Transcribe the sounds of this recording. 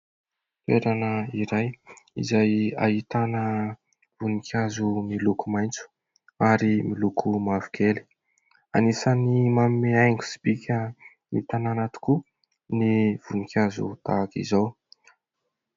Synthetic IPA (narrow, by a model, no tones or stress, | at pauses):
t̪eɾanəiɾajḭzaja̰ɦit̪anə | v̥unikʲʰazumilukumajnt͡su̥ | aɾimilukʰumavu̥kʰeli̥ | a̰nisənimamimeajŋɡu̥si̥pikʲʰə | nit̪ananat̪i̥ku | niv̥unikʰʲazṵt̪a̰kḭzaw